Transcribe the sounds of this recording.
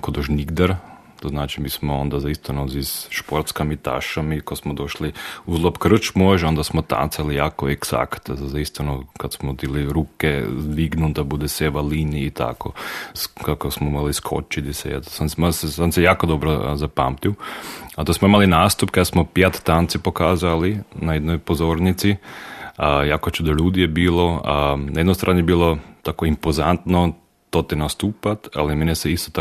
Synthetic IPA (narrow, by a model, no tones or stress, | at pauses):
kod̪oʒniɡd̪aɾ | t̪oznaːt͡ʃimiːsmoond̪azaist̪anozisʃpoɾt̪skamit̪a̰ʃamikosmod̪oʃliuzlˠopkr̩t͡ʃmoʒond̪asmot̪a̰nt̪salijaːkoeksa̰kt̪zazaist̪anokad̪smod̪iliɾuːkɛzd̪ʋiɡnund̪abud̪ɛseʋaliniːt̪ʰa̰ko̰skakosmoimaliskʰo̰t͡ʃit̪isɛ̰ja̰t̪osansmasɛansɛjaːkod̪obɾozapa̰mt̪iwat̪osmoimalinaːst̪upkad̪smopjat̪t̪ːant̪sipokaːzalinajed̪nojpozoːɾnit̪si | jaːkot͡ʃuːd̪oʎuːd̪ijebiːlˠoanajed̪nost̪ɾaːnɛebiːlˠot̪aːkoimpozant̪no | t̪oːt̪ɛnast̪uːpat̪a̰limenjesɛist̪ot̪a